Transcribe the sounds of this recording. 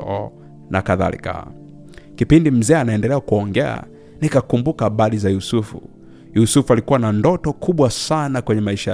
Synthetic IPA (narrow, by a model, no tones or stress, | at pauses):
ɔ̰ | na̰kaða̰lḭka̰ | kipindim̩zɛːanaɛndɛlɛakuɔŋɡɛa̰ | nikakumbukaɓalizajusufṵ | jusufualikuwanandɔtɔkʰuɓwasanakwɛɲɛmaiʃa